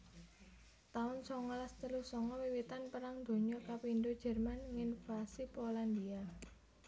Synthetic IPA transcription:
t̪aʊnsɔŋɔlast̪əlusɔŋɔwiwit̪anpəɾaŋd̪̥o̤ɲɔkapinɖod̥d͡ʒ̥ɛ̤rmanŋɪnfasipoland̪ia

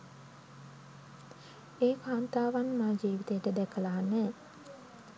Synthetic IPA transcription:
eːkʰaːnt̪aːʋanmaːd͡ʒiːʋit̪ejəʈəd̪ɛkʰəlaːnɛː

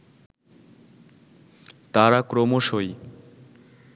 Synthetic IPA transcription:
t̪aɾakɾomoʃoj

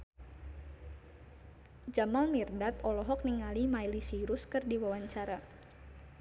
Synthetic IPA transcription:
d͡ʒamalmirdat̪ɔlɔɦɔk̚niŋalimailisiɾʊskɨrdiwawaɲt͡ʃaɾa

